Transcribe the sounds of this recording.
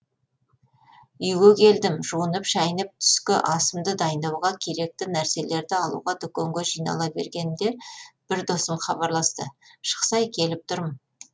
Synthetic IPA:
ʏjɡʲekʲʰe̞ld̪ɪmʒuənəpʒɑjnəp̚t̪ʰʏ̥skʲɪʔɑsəmd̪əd̪ɑjənd̪ɑwʁɑkʲʰe̞ɾe̞k̚t̪ɪnæɾse̞le̞ɾd̪ɪɑlˠṵʁɑd̪ʏkʲeŋɡʲeʒijnɑ̰lˠɑbe̞̰ɾɡʲe̞nɪmd̪e̞b̥ɪɾd̪o̞səmχɑbɑɾlˠɑst̪əʃə̥qsɑjkʲʰe̞lɪp̚t̪ʰʊɾmən

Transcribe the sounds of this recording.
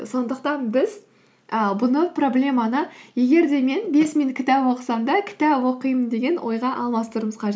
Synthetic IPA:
so̞nd̪əqt̪ɑnbɪz | əbʊnəpro̞blʲe̞mɑnəje̞ɡʲe̞ɾd̪e̞me̞nbe̞smeŋkʲʰɪt̪æpwo̞qə̥sɑmd̪ɑkʲʰɪ̥t̪æpwo̞qəjmənd̪e̞ɡʲe̞nwʔo̞̰jʁɑʔɑlˠmɑst̪əɾəməzqʰɑʒe

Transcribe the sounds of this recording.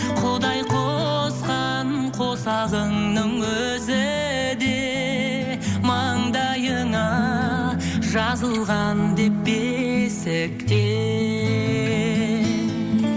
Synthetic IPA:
qʰod̪ɑjqʰosqɑ | nqʰo̞sɑʁəɴnəɴwɵ | zɪ | d̪e | mɑɴd̪ɑjəɴɑ | ʒɑzəlˠʁɑnd̪e̞p̚besɪkt̪e

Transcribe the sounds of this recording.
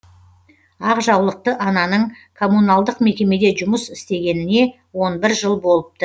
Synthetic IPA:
ɑqʒɑwlˠəq̚t̪əʔɑnɑnəɴ | kʰo̞munalˠd̪əqme̞kʲe̞me̞d̪e̞ʒʊməsɪst̪e̞ɡʲe̞nɪne̞ | wo̞nbɪɾʒəlˠbo̞lˠəp̚t̪ə

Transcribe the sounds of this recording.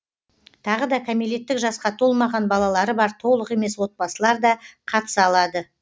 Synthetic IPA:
t̪ʰɑʁəd̪ɑkʲʰamile̞t̪ːɪkʒɑsqɑt̪ʰo̞lˠmɑʁɑnbɑlˠɑlˠɑɾəbɑɾt̪ʰo̞lˠəqe̞me̞swo̞t̪̚bɑsəlˠɑɾd̪ɑqʰɑt̪ə̥sɑlˠɑd̪ə

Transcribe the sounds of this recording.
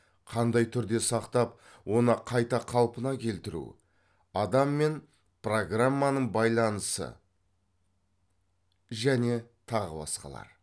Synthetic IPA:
qʰɑnd̪ɑjt̪ʰʏɾd̪e̞sɑqt̪ɑp̚ | wo̞nəqʰɑjt̪ɑqʰɑlˠpənɑkʲʰe̞lt̪ɪɾṵ | ɑd̪ɑmːe̞n | pro̞ɡramːanəɴbɑjlˠɑnəsə̰ | ʒæne̞t̪ʰɑʁə̰bɑ̰sqɑ̰lˠɑ̰ɾ

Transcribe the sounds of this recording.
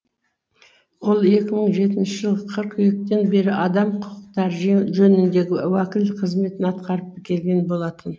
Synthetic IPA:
wolˠe̞kʲɪməɴʒe̞t̪ɪnʃɪʒəlˠʁəqʰəɾqʏjek̚t̪e̞nbe̞ɾɪʔɑd̪ɑmqʰʊqəqt̪ɑɾʒɵnɪnd̪e̞ɡʲɪwækʲɪlqʰəzme̞t̪ɪnɑt̪qɑɾəp̚ːɪkʲe̞lɡʲe̞nbo̞lˠɑt̪ʰən

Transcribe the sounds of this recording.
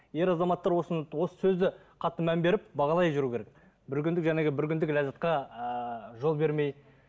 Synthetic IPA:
je̞ɾɑzɑmɑt̪ːɑɾwo̞səwo̞sə̥sɵzd̪ɪ | qʰɑt̪ːəmæmbe̞ɾɪp̚bɑʁɑlˠɑjʒʏɾukʰʲe̞ɾek̚ | bɪɾkʲʏnd̪ɪkʒæneɡʲɪbɪɾkʲʰʏnd̪ɪklæzɑt̪̚qɑ | ʒo̞lˠbe̞ɾme̞j

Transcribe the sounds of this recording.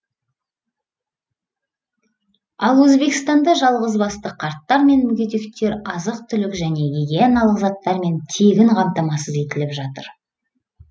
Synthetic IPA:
ɑlˠwɵzbe̞kʲɪst̪ɑnd̪ɑʒɑlˠʁəzbɑst̪əqʰɑɾt̪ːɑɾme̞nmʏɡʲed̪e̞kt̪e̞ɾɑzəqt̪ʰʏlɪkʒæne̞ɡiɡʲeɑnɑlˠəqzɑt̪ːɑɾme̞nt̪ʰe̞ɡʲɪɴqʰɑmt̪ɑmɑsəzet̪ɪlɪpʒɑt̪əɾ

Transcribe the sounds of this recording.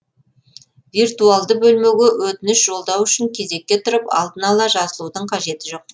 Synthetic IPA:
virt̪ualˠd̪əbɵlmeɡʲewɵt̪ɪnɪʃʒ̥o̞lˠd̪ɑwʏʃɪŋkʲʰe̞ze̞k̚ʲːe̞t̪ʰʊɾəpɑ̰lˠd̪ənɑlˠɑʒɑzəlˠud̪əɴqʰɑʒe̞t̪ɪʒo̞q̚

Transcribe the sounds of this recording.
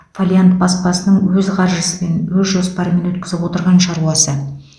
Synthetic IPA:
folʲjant̪̚bɑspɑsənəɴwɵzqʰɑɾʒəsəme̞nwɵzʒo̞spɑɾəme̞nwɵt̪̚kʲɪzɪpwo̞t̪əɾʁɑnʃɑɾuɑsə

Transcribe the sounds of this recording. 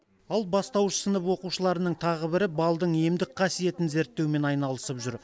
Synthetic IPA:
ɑlˠbɑst̪ɑwʃə̥sənəpwo̞quʃəlˠɑɾənəɴt̪ʰɑʁəbɪɾɪbɑlˠd̪əɴe̞md̪ɪk̚qʰɑsije̞t̪ɪnze̞ɾt̪ːe̞wɪme̞nɑjnɑlˠəsəpʒʏɾ

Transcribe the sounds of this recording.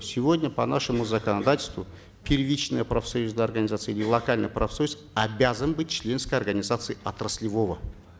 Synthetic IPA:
sʲɪvodʲnʲəpɐnaʂɨmʊzɐkɐnɐd̪atʲɪlʲst̪vʊ | pʲɪrvʲit͡ʃnəjəpɾɐfsɐjuznəjɐrɡənʲɪzat̪sɨəilʲɪlˠɐkalʲnɨjpɾɐfsɐjus | ɐbʲazənbɨt̚ʲt͡ʃlʲe̞nskəjɐrɡənʲɪzat̪sɨɪɐt̪rɐsʲlʲɪvo̞və

